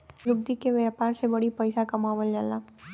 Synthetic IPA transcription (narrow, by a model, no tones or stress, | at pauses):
jʊb̚d̪ikeʋjaːpaːɾsebɐɽipɐɪsakamaːʋəld͡ʒalaː